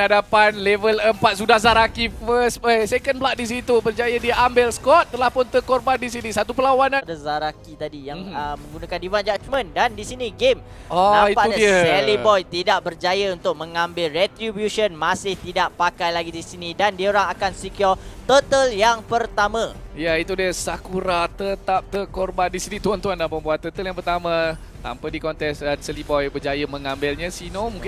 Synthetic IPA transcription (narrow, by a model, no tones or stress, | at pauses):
adapanlevələmpat̪̚sudahzaɾakifəsəsekənblaʔ̚dis̬it̪ubərd͡ʒajadiambɪlskɔt̪̚ːəlahpʊnt̪əkɔrbandis̬inisat̪upəlawanãdazaɾakit̪adijaŋəmə̃ŋɡunakandivand͡ʒat͡ʃmə̃ndandisiniɡem | ɔnãmitpaʔɲasɛlibɔjt̪idaʔbərd͡ʒajəunt̪ʊk̚mə̃ŋãmbɪlrɛt̪ɾibjuʃənmasɪht̪idaʔpakajlaɡidisinidandiəoɾaŋakansikiat̪ət̪əljaŋpərt̪amãjait̪udiəsakuɾat̪ət̪ap̚t̪əkɔrbandisinit̪uant̪uandalampəmbuat̪t̪ːət̪əljaŋpərt̪ama | t̪a̰mpədikɔnt̪ɛsdansɛlibɔjbərd͡ʒajəmə̃ŋãmbɪlɲasinomuŋkɪ